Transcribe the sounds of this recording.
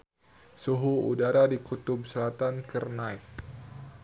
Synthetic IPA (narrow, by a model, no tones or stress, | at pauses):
suɦuṵdaɾadikut̪ʊbsəlat̪ankərnajk̚